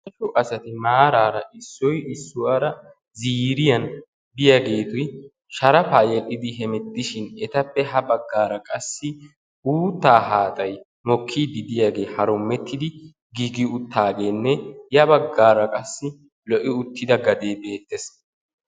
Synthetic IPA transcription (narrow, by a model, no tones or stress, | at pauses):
ɐʃʊʔɐsɐt̪ɪmaːɾaːɾɐʔɪsːɔjɪsːʊwɐɾɐ | ziːɾɪjɐn | b̪ɪjaɡe̞ːt̪ʊj | ʃɐɾɐfaːjɛlːɪd̪ɪɦɛmɛt̪ːɪʃɪnɛt̪ɐpːɛɦɐbɐɡːaːɾɐkʼɐsːɪ | ʔuːt̪ːaːɦaːt̪ʼɐj | mɔkʰːiːd̪ɪd̪ɪjaːɡe̞ːhɐɾʊmːɛt̪ːɪd̪ɪ | ɡiɡɪʊt̪ːaːɡe̞ːnːɛjɐbɐɡːaːɾɐkʼɐsːɪ | lɔʔɪʊt̪ːɪd̪ɐɡɐd̪e̞ːbe̞ːt̪ːes